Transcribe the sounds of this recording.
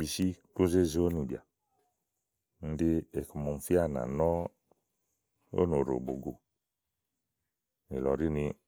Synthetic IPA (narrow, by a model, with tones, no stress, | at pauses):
bi˨ʃi˦ko˦ze˦˨zo˦nu˨bja̰˨ | n̩˦di˧e˨kmɔ˨m̩˨fi˦a˦˨na̰˨nɔ˦ | o̰˦no˨ɾo̰˨bo̰˨ɡo˨ | ni˨lɔ̰˨ɾi˦ni˧